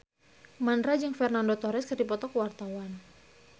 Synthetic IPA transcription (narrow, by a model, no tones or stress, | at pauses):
manɾad͡ʒɨŋfɛrnandot̪ɔɾɛskərdipɔt̪ɔkəwart̪awan